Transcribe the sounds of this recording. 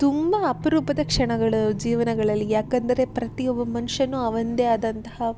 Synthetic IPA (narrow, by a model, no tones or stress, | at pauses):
t̪umbɐːpɐɾuːpɐd̪ɐkʂɐɳɐɡɐɭud͡ʒiːʋɐnɐɡɐɭɐlːijaːkɐnd̪ɐɾe̞pɾɐt̪iɔbːɐmɐnuʂɐnːuɐʋɐnd̪jaːd̪ɐnt̪ɐhɐ